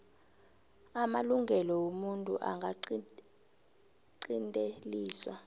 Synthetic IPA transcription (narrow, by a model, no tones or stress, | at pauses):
amaluŋɡʱɛlɔwomuntʼṵʔa̰ŋɡʱa | ǃintʼeliːswa̰